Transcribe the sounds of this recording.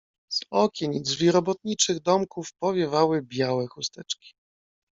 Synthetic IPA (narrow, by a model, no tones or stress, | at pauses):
z̥ɔkʲɛɲidʐvʲiɾɔbɔt̪̚ɲit͡ʂɘɣd̪ɔmkufpɔvʲjɛvawɘbʲjawɛxust̪ɛt͡ʂkʲi̥